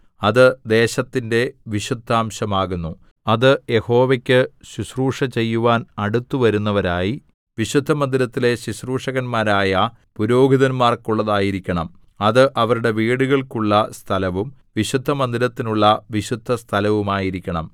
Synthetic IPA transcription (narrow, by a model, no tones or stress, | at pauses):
ɐðɨd̪e̞ːɕɐt̪ːinde̞ʋiɕud̪ʱːaːmɕɐmaːɣunːu | ɐðɨje̞ho̞ːʋekʲːɨɕuɕruːʂɐt͡ɕe̞jːuʋaːnɐɽut̪ːuʋɐɾunːɐʋɐɾaːji | ʋiɕud̪ʱːɐmɐnd̪iɾɐt̪ːile̞ɕuɕruːʂɐɣɐnmaːɾaːjɐ | puɾo̞ːɡʱiðɐnmaːrkuɭːɐðaːjiɾikʲːɐɳɐm | ɐðɨʔɐʋɐɾuɽe̞ʋiːɽuɣɐɭkuɭːɐst̪ʰɐlɐʋum | ʋiɕud̪ʱːɐmɐnd̪iɾɐt̪ːinuɭːɐʋiɕud̪ʱːɐst̪ʰɐlɐʋumaːjiɾikʲːɐɳɐm